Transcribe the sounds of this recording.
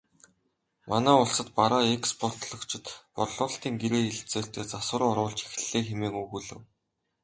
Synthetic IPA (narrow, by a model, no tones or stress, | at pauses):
manæːʊɮsə̆t̪paɾaːekspɔrt̪ɮɞ̆kt͡ɕʰɪ̆t̪pɔrɮʊːɬt̪iːŋɡeɾeːiɮt͡seːɬt̪eːt͡saswə̆ɾːɔɾʊːɮt͡ɕi̥xɮeːxemeːkuɣuːɮɘ̰̆w